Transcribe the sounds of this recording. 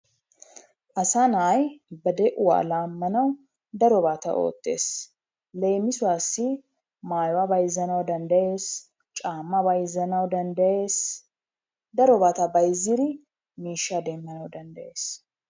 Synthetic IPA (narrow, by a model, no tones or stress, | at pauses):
ʔɐsanaːjbɐd̪ɛʔʊwa̰ːlaːmːɐnɐw | d̪ɐɾɔbaːt̪ɐ̰ʔo̰ːt̪ːe̞̰ːs | lɛjmɪsʊwaːsːɪ | maːjwabɐjzːɐnɐwd̪ɐnd̪ɐʔe̞ːs | t͡ʃʼaːmːɐbɐjzɐnɐwd̪ɐnd̪ɐjeːs | d̪ɐɾɔbaːt̪ɐbɐjzɪɾɪ | miːʃːad̪eːmːɐnɐwd̪ɐnd̪ɐje̞ːs